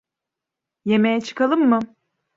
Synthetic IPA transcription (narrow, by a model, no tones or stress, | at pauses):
jemejɛt͡ʃʰɯ̥kʰalˠɯmːɯ